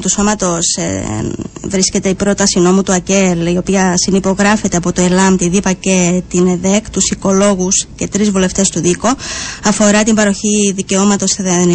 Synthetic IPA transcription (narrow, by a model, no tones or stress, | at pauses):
t̪uso̞mɐt̪o̞s | vɾisce̞t̪e̞ipɾo̞t̪ɐsino̞mut̪uɐce̞lio̞piɐsinipo̞ɣɾɐfe̞t̪e̞ɐpo̞t̪o̞elɐmt̪iðipɐce̞t̪ineðe̞kt̪usiko̞lo̞ɣusce̞t̪ɾizvule̞ft̪e̞st̪uðiko̞ɐfo̞ɾɐt̪imbɐɾo̞çiðice̞o̞mɐt̪o̞st̪iðen